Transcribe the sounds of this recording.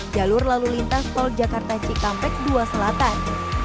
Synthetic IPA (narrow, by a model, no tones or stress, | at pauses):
d͡ʒalʊrlalulint̪ast̪ɔld͡ʒakart̪at͡ʃikampɛk̚duasəlat̪an